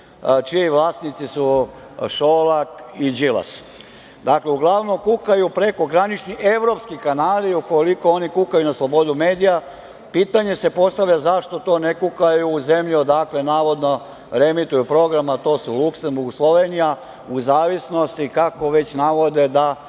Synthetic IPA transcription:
t͡ʃiiʋlˠaːsnit̪sisu | ʃolakid͡ʒila̰s | d̪akleuɡlˠaʋno̞mkukajupɾe̞ko̞ɡɾanit͡ʃnie̞ʋɾo̞pskikanaːliukolikoonikukajunaslˠo̞bo̞d̪ume̞ːd̪ija | piːt̪aɲe̞se̞po̞st̪aʋʎʲazaʃt̪o̞t̪o̞ːnekukajuːze̞mʎud̪aklenaːʋo̞d̪no | ɾe̞mit̪ujupɾo̞ɡɾamat̪o̞ːsuluksembuɾɡuslˠo̞ʋenija | uzaːʋisno̞st̪ikako̞ʋe̞t͡ɕnaʋo̞d̪e̞d̪a

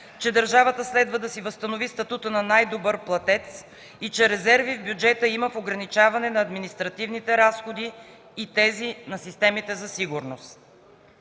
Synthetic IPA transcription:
t͡ʃɛd̪əɾʒavət̪əslɛd̪vəd̪ɐsivəst̪ɐnovist̪ɐt̪ut̪ənɐnajd̪obɤɾplˠɐt̪ɛt̪s | it͡ʃɛɾɛzɛɾvivbjud͡ʒɛt̪əiməfoɡɾɐnit͡ʃavɐnɛnɐːd̪minist̪ɾɐt̪ivnit̪ɛɾasxod̪iː | t̪ɛzinɐsist̪ɛmit̪ɛzɐsiɡuɾnost̪

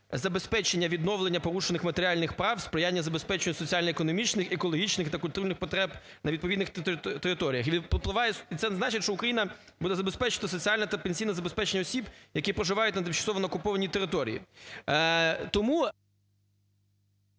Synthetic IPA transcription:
zɐbespɛt͡ʃenʲːɐʋʲid̪nɔʋlˠenʲːɐpɔɾuʃenɪxmɐt̪eɾʲɪɑlʲnɪxpɾɑwspɾɪjanʲːɐzɐbespɛt͡ʃɪnʲːʊsɔt͡sʲialʲnɔekɔnɔmʲit͡ʃnɪxekɔlˠɔɦʲit͡ʃnɪxt̪ɐkʊlʲt̪uɾnɪxpɔt̪ɾɛb | nɐʋʲid̪pɔʋid̪nɪxt̪eɾɪt̪ɔɾʲijɐxʋʲipɔplˠɪʋɑjɛit̪ɛnznɑt͡ʃɪtʲʃt͡ʃɔukɾɐjinɐ | bud̪ɛzɐbespɛt͡ʃɪ̥t̪ɐsɔt͡sʲialʲnɐt̪ɐpenʲsʲijnɐzɐbespɛt͡ʃenːɐɔsʲibjɐkʲipɾɔʒɪʋɑjʊtʲnɐt̪ɪmt͡ʃɐsɔʋɔnɐɔkʊpɔʋɐnʲit̪eɾɪt̪ɔɾʲḭjḭ | t̪ɔmu

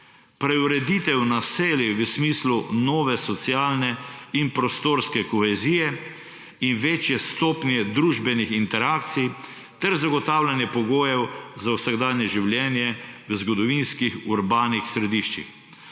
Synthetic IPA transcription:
pɾɛuɾɛd̪it̪ɛwnaseːljiʋəsmiːslunɔːʋɛsɔt̪sjaːlnɛinpɾɔst̪oːɾskɛkɔxɛziːjɛ | inʋeːt͡ʃjɛst̪oːpnjɛd̪ɾuʒbɛnixint̪ɛɾaːkt̪sij | t̪ɛɾzaɡɔt̪aːwlʲanjɛpɔɡoːjɛwzawsaɡd̪aːnjɛʒiwljɛːnjɛʋəzɡɔd̪ɔʋinskixuɾbaːnixsɾɛd̪iʃt͡ʃḭx

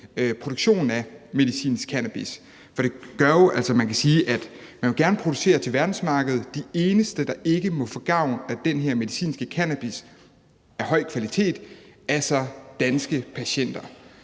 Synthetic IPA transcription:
pʰʁodoɡ̥ɕo̝̰ːnn̩æme̝ð̞ˠisḭːnskʰænæb̥is | fɒ̽ɾ̥e̝ɡ̥ɶɐjo̝ʔæl̰sɒmænkʰæsiːʔæd̥mænʋe̝ɡ̥æɐnəpʰʁo̝d̥use̝̰ːɐt͡sʰe̝lʋæɐd̥n̩smɑ̈ːɡ̥əð̞̩ˠd̥ie̝ːnəsd̥əd̥ɑ̈ʔe̝ɡ̥əmɔ̽fɒ̽ɡ̥ɑ̈ʊ̰næd̥enɦeɐme̝ðˠisḭːnsɡ̥əkʰænæb̥is | æɐɦɒ̽ɪ̰kʰʋælit͡sʰe̝̰ːd̥æsɒ̽d̥ænsɡ̥əpʰæɕen̰d̥ɐ

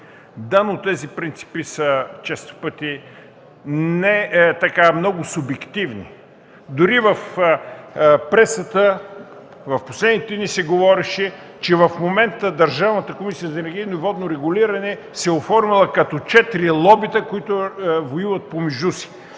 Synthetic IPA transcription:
d̪anot̪ːɛzipɾint̪si̥pisət͡ʃɛst̪fpɤt̪i | nɛt̪ɐkamnɔɡʊsʊbɛkt̪ivnḭ | d̪ʊɾivɐf | pɾɛsət̪ə | vɐfposlɛd̪nit̪ɛd̪nisɛɡovɔɾɛʃɛ | t͡ʃɛvɐfmomɛnt̪əd̪ɐɾʒavnət̪əkomisijəzɐɛnɛɾɡʲijnoivɔd̪noɾɛɡʊliɾɐnɛ | sɛofɔɾmilˠɐkɐt̪ɔt͡ʃɛt̪ɾilˠɔbit̪əkoit̪ʊvojivɐt̪̚pomɛʒusi̥

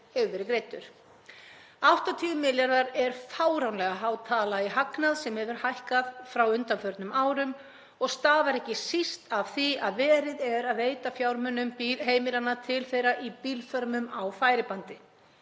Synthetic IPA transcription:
hɛvʏvɛːɾɪkɾeːjt̪ʏ̰ɾ̥ | awht̪at̪ʰiːʏmɪljaɾðaɾɛɾ̥faːwɾawnlɛɣaɦaːwt̪ʰaːlaiɦaknaðsɛmhɛvʏɾ̥hajhkaðfɾawʏnt̪anfœɾt̪nʏmaːwɾʏm | ɔɣst̪aːvaɾɛhcɪsist̪av̥θiaðvɛːɾɪðɛɾaðeːjt̪afjawɾmœnːʏmpiɦeːjmɪlanːat̪ʰɪlθejɾaʔipiːlfœɾmʏmawfaːjɾɪpant̪ɪ

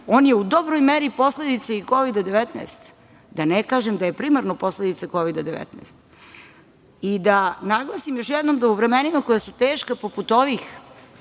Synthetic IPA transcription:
oːnjeud̪o̞bɾojmeɾipo̞sled̪it̪seiko̞ʋid̪ad̪e̞ʋet̪na̰st̪ | d̪anekaːʒemd̪aje̞pɾimaɾnopo̞sled̪it̪sako̞ʋid̪ad̪eʋḛt̪na̰st̪ | id̪anaɡlˠasimjo̞ʃjɛd̪no̞md̪auʋɾemenimakojasut̪eːʃkapoput̪o̞ʋix

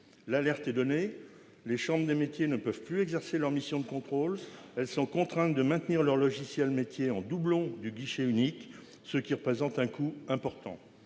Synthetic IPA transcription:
lalɛʁt̪ɛd̪ɔne | leʃɑ̃bʁd̪emet̪jenəpœv̥plyɛɡzɛʁselœʁmisjɔ̃d̪əkɔ̃t̪χolɛlsɔ̃kɔ̃t̪χɛ̃t̪̚d̪əmɛ̃t̪niʁlœʁlɔʒisjɛlmet̪jeɑ̃d̪ublɔ̃d̪yɡiʃeynik | səkʲiʁəpχezɑ̃t̪ɛ̃kʰuɛ̃pɔʁt̪ɑ̰̃

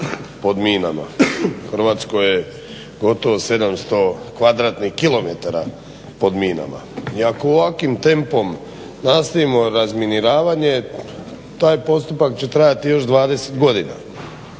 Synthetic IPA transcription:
po̞d̪miːna̰ma̰xrʋaːt̪skoje | ɡo̞t̪o̞ʋose̞d̪amst̪o̞kʋad̪ɾaːt̪nixkilˠo̞met̪aɾa̰ | po̞d̪miːna̰ma̰iakooʋakʋimt̪e̞mpo̞m | nast̪aʋimo̞ɾazminiɾaːʋaɲe̞ | t̪aːjpo̞st̪upakt͡ɕe̞t̪ɾajat̪ijo̞ʃd̪ʋaːd̪e̞set̪ɡo̞d̪ina̰

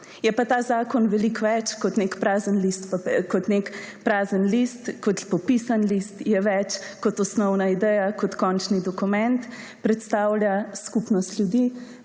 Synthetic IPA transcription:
jɛpat̪azaːkɔnʋɛlikʋɛt͡ʃkɔt̪nekpɾaːzənlist̪pakɔt̪nekpɾaːzənlist̪kɔt̪pɔpisanlist̪jɛʋɛt͡ʃkɔt̪ɔsnɔwnaid̪ɛjakɔt̪kɔnt͡ʃnid̪ɔkumɛnt̪ | pɾɛt̪st̪awlʲjaskupnɔst̪lʲjud̪i

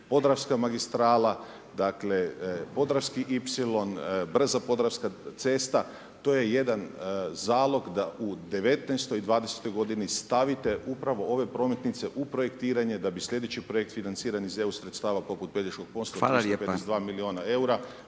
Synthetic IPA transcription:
po̞d̪ɾafskamaɡist̪ɾaːla | d̪akle̞po̞d̪ɾafskiʔipsilo̞nbr̩zapo̞d̪ɾafskat̪se̞ːst̪a | t̪oːje̞je̞d̪anzaːlˠo̞ɡd̪aʔud̪e̞ʋe̞t̪nast̪ojid̪ʋaːd̪ese̥t̪o̞jɡo̞d̪inist̪aʋit̪e̞ʔupɾaʋo̞ʔo̞ʋe̞pɾo̞me̞t̪nit̪se̞ʔupɾo̞je̞kt̪iːɾaɲe̞d̪abisʎʲe̞d̪et͡ɕipɾoek̚t̪finant̪siːɾanizeusɾet̪st̪aːʋapo̞put̪̚ped̪iʃko̞ɡ̚ponsaisopeesed̪ʋaːmilio̞ːnae̞uɾa

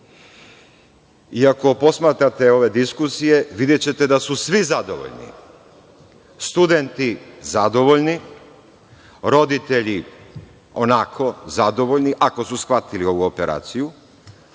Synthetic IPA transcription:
iako̞po̞smat̪ɾat̪eo̞ʋe̞d̪iskusije̞ʋid̪jet͡ɕe̞t̪e̞d̪asusʋizad̪o̞̰ʋo̰ʎnḭ | st̪ud̪e̞nt̪izad̪o̞ʋo̞ʎni | ɾo̞d̪it̪e̞ʎi | o̞nakʰo̞zad̪o̞ʋo̞ʎniʔako̞susxʋat̪ilio̞ʋuopeɾa̰ːt̪siju

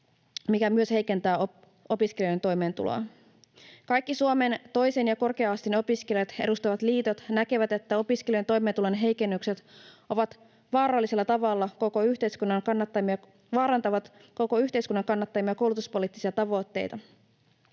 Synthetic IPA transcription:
mikæmyø̞she̞jke̞nt̪æːo | ʔo̞piskeljojet̪o̞jme̞ːnt̪ṵlo̰ɑ | kɑjkːisuome̞nt̪o̞jsenjɑko̞rke̞ɑːst̪ino̞piskelijɑt̪e̞̰dust̪ɑʋɑt̪liːt̪o̞t̪nækeʋæt̪e̞t̪ːæo̞piskeliojnt̪o̞jment̪ulonɦe̞jke̞nːykset̪o̞ʋɑt̪ | ʋɑːɾɑlːise̞lːɑt̪ɑʋɑlːɑko̞ko̞yçt̪ejskunːɑŋkɑnːɑt̪ːɑmiɑ | ʋɑːɾɑnt̪ɑʋɑt̪ | ko̞ko̞yçt̪e̞jskunːɑŋkɑnːɑt̪ːɑjmiɑkowlut̪uspo̞liːt̪ːisiɑt̪ɑʋo̞t̪ːḛjt̪ɑ

